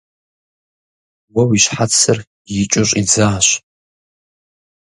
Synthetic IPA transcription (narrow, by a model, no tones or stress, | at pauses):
wɐwiʃħat͡sʰːɨr | jɪt͡ʃʼʊɕʷʼid͡zaːɕʷ